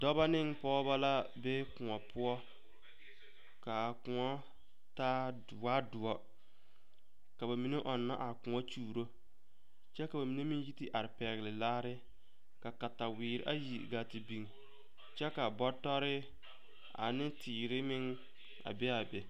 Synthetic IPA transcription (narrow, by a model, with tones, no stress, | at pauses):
dɔ˦ba˦nɪ˦ŋpɔ˦ba˦la˦be˦kʊ˨ŋɔ˨pʰʊ˦ɔ˦ | ka˨kʊ˨ŋɔ˦ | taː˦˨ | waː˦dʊ˨ɔ˦ | ka˨ba˨mi˨ne˦ʔɔ˨nːa̰˦ʔa˨kʊ˨ŋɔ˦t͡ʃuː˨ɾo˦ | t͡ʃɛ˦ka˨ba˨mi˨ne˦mi˦n˦ji˦tɪ˦ʔa˨ɾɪ˨pɛ˨ɣɪ˨lɪ˨laː˦ɾɪ˦ | ka˨ka˨ta˨wɪː˨ɾɪ̰˦ʔa̰˦ji˨ɡa˨tɪ˨bi˨ŋ˨ | t͡ʃɛ˦ka˨bɔ˦tɔ˦ɾɪ˦ | a̰˨nɪ˦tʰiː˨ɾɪ˦mɪ˦ŋ | a̰˨bɛ˦a˨be˨